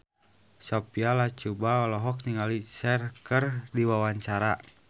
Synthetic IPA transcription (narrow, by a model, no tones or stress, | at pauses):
sɔpialat͡ʃubaɔlɔɦɔk̚niŋalisɛrkərdiwawaɲt͡ʃaɾa